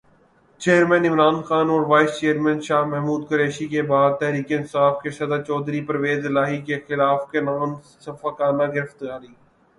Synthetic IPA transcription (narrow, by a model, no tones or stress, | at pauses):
t͡ʃeːɾmɛ̃ːnɪmɾaːnxaːnɔːɾʋaːɪst͡ʃeːəɾmɛ̃ːnʃaːɦmɛɦmuːd̪kʊɾeːʃikebaːd̪̚t̪ɛɦɾiːkeɪ̃nsaːfkesɐd̪ət͡ʃɔːd̪ɾipəɾəʋeːzɪlaːɦikexɪlaːfkenaːm | sɐfakaːnaɡɪɾɪft̪jaːɾiː